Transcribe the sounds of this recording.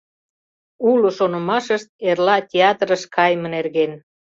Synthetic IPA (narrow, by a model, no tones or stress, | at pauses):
uloʃonŏmɑʃəʃt̪̚erlɑtʲeɑt̪ɾəʃkʰɑjmənerɣen